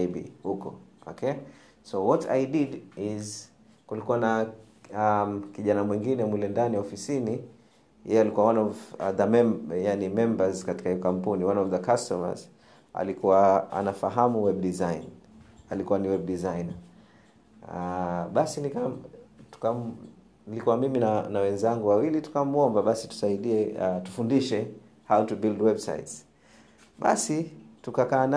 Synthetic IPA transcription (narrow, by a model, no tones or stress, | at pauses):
ibḭhukɔ̰ɔkʰɛ | sɔwɔtʰa̰jdidiz | kulikuwana | amkiʄanamwiŋɡinɛmulɛndaniwaɔfisini | jɛjɛalikuwawanɔvðəmɛjanimɛmbazkati̥kahiɔkam̩puniwanɔvðəkastɔma̰z | a̰likuwaa̰nafaɦamuwɛb̚ɗizajinalikuwaniwɛb̚dizajn | ɓasinikatu̥kam | nilikuwamiminanawɛnzaŋɡuwawilitu̥kamɔmbaɓasi̥tu̥saiɗiɛtu̥fundiʃɛ | hautubildwɛbsa̰its | ɓa̰situkakaːna